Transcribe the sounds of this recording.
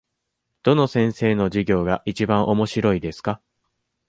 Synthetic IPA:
d̪̥o̞no̞sẽ̞ɰ̃se̞ːno̞ʑiɡʲo̞ːɡaʔit͡ɕibãɰ̃ʔo̞mo̞ɕiɾo̞id̪e̞sɨ̥ka

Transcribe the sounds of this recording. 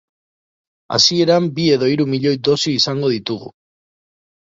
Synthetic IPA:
a̰sie̞ɾambie̞ðo̞iɾumiʎo̞jd̪o̞siːsaŋɡo̞ðit̪uɣṵ

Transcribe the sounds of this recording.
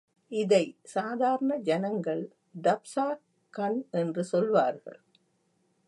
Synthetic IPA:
ɪðɐɪsaːðaːɾɐɳɐd͡ʒɐnɐŋɡɐɭ | ɖɐpsaː | kːɐnɛndrɯsɔlʋaːɾɣɐ̰ɭ

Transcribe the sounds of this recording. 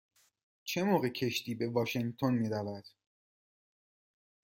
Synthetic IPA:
t͡ʃʰe̞moːɣecʰe̞ʃt̪iːbe̞vɒːʃeŋɡt̪ʰonmiːɾævæd̪̥

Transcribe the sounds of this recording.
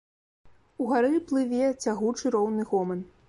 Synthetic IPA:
uɣaɾɨplˠɨvʲɛt͡sʲaɣut͡ʂɨɾɔwnɨɣɔmɐn

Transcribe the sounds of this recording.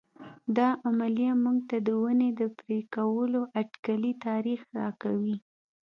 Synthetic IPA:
d̪ɑʔamalijamuɡ̚t̪ad̪əwəned̪əpɾekawəloʔaʈkalit̪ɑɾixɾɑkawi

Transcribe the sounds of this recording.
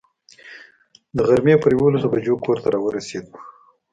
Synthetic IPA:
d̪əɣaɾmepəɾjawolasobad͡ʒokoɾt̪aɾɑwəɾased̪u̥

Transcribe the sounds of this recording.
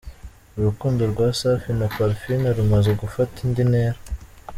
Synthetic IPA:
uɾukuːndoɾɡwaːsafinapaɾfinaɾumazeɡufatindineːɾa

